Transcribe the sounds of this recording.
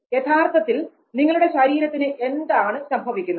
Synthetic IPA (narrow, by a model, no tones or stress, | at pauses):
jet̪ʰaːrt̪ʰɐt̪ːil | niŋːɐɭuɽe̞ɕɐɾiːɾɐt̪ːinɨʔe̞nd̪aːɳɨsɐmbʱɐʋikʲːunːɐ